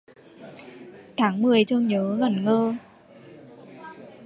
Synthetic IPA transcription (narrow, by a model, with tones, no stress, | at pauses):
t̪ʰaː˨˦ŋmɨ˨˩əjt͡ɕɨ˧əŋɲəː˨˦ɣə˨˩nŋəː˧